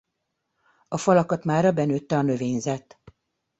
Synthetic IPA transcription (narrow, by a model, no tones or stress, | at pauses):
ɒfɒlɒkɒt̪maːɾɒbɛnøːt̪ːɛɒnø̞veːɲzɛt̪